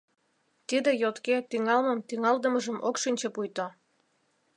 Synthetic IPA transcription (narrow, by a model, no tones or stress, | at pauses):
t̪id̪ejot̪ket̪yŋɑlməmt̪yŋɑld̪əməʒəmokʃinʲt͡ɕepujt̪o